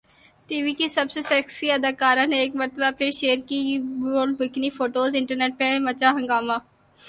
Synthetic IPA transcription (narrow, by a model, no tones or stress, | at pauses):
ʈiːʋikisɐbsesɛksiɐd̪aːkaːɾãneːkmɐɾt̪əbapʰɪɾʃeːəɾkiboːlbɪknifoːʈoːzɪ̃ɳʈəɾneːʈ̚pemɐt͡ʃaɦɐ̃ŋɡaːmãː